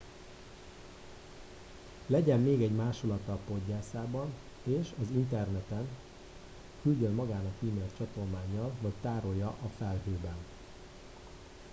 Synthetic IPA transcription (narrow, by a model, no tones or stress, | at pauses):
lɛɟɛmːeːɡɛɟmaːʃolɒt̪ːɒlpo̞ɟːaːsaːbɒn | eːʃɒzint̪ɛrnɛt̪ɛn | kylɟønmɒɡaːnɒkiːmeːlt͡ʃɒt̪o̞lmaːɲːɒlvɒct̪aːɾo̞jːɒʔɒfɛlɦøːbɛn